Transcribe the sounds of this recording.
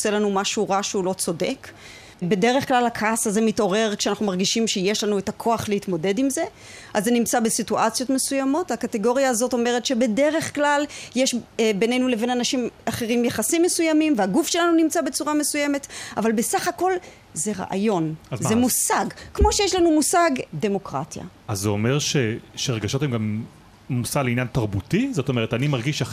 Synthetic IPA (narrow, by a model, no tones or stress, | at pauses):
se̞lanumaʃuʁaʃulo̞t͡so̞de̞k | be̞de̞ʁe̞χklalakʰasaze̞mito̞ʁe̞ʁkʃeanaχnumaʁɡiʃimʃejeʃlanuetakʰo̞aχleitmo̞de̞dimze̞ | ʔazːenimt͡sabe̞situʔat͡sjo̞tme̞sujamo̞thakateɡo̞ʁjaːzo̞to̞me̞ʁ̞etʃe̞be̞de̞ʁe̞χklaljeʃbenejnuleve̞nanaʃimaχe̞ʁimjaχasimːe̞sujamimveaɡufʃe̞lanunimt͡sabet͡suʁame̞suje̞me̞tavalbe̞saχako̞l | ze̞ʁa̰ʔa̰jo̞nazzemusaɡkmo̞ʃejeʃlanumusaɡde̞mo̞kʁa̰tja̰ | azːeome̞ʁʃeʃeʁeɡaʃo̞themɡam | musaleinjantaʁbutizo̞to̞me̞ʁetanimaʁɡiʃa